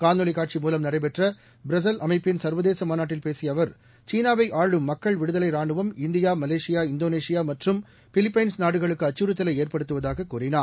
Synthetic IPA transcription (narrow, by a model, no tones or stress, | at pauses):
kaːnɔɭɪkaːʈt͡ʃimuːlɐmnɐrɐɪp̬ɛʈrɐ | bɾɐs̬ɐlɐmɐɪpːɪnsɐɾʋɐðeːsɐmaːnaːʈːɪlpeːsɪjɐʋɐɾ | t͡ʃiːnaːʋɐɪʔaːɭɯmːɐkːɐɭʋɪɽɯðɐlɐɪɾaːɳɖɯʋɐmɪnd̪ɪjaːmɐleːʂɪjaːɪnd̪oːneːʂɪjaːmɐʈrɯm | fɪlɪpːɐɪnsnaːɽɯɣɐɭɯkːɯɐt͡ʃːuɾɯt̪ːɐlɐɪeːrpɐɽɯt̪ːɯʋɐðaːɣɐkːuːrɪnaː